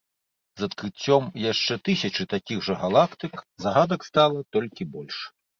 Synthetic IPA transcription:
zɐt̪kɾɨt͡sʲːɔmjaʂt͡ʂɛt̪ɨsʲɐt͡ʂɨt̪akʲiɣʐɐɣalˠakt̪ɨkzaɣad̪ɐkst̪alˠɐt̪ɔlʲkʲibɔlʲʂ

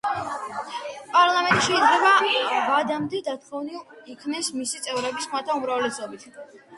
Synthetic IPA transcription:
pʼaɾlˠamɛnt̪ʼiʃɛid̪zlɛbavad̪amd̪ɛd̪at̪ʰχɔvniikʰnɛsmisit̪sʼɛvɾɛbismat̪ʰaumɾavlɛsɔbit̪ʰ

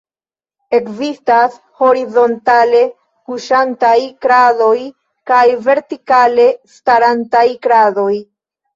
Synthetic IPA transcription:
e̞kzistas | ho̞ɾizo̞ntale̞ | kuʃantajkɾado̞j | kajve̞ɾtikale̞staɾantajkɾado̞j

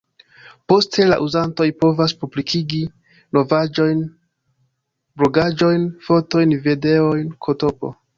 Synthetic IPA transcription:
po̞stʰe̞la̰ʔuzanto̞jpo̞vaspublikʰiɡi | no̞vad͡ʒojn | blo̞ɡad͡ʒo̞jnfo̞to̞jnvide̞o̞jnkʰo̞to̞po̞̰

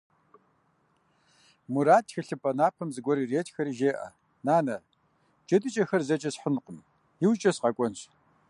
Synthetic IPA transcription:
muɾaːtxɨɬɨpʼɐnaːpʰɐmzɨɡʷɔɾireːtxɐɾiʒeːʔɐ̰ | naːnɐ | d͡ʒɐtʼɨt͡ʃʼɐxɐrzɐt͡ʃʼɐsħənqʷʊm | jɪwt͡ʃʼɐsqɐkʷʼɔnɕ

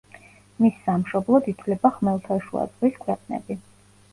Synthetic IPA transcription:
misːamʃɔblˠɔd̪it̪ʰlɛbaχmɛlˠt̪ʰaʃua̰d̪zʼʁwiskʰwɛqʼnɛ̰bi

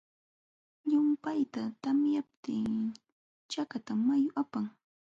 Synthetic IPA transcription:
ʎʊmpajt̪at̪amjap̚t̪ɪŋ | t͡ʃakat̪amajʊʔapaŋ

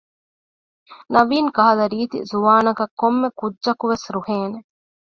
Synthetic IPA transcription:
nɐʋiːŋkɐɦɐlɐɾiːt̪ḭzuʋaːnɐkɐkːomːekudːʒɐkuʋesɾuheːne

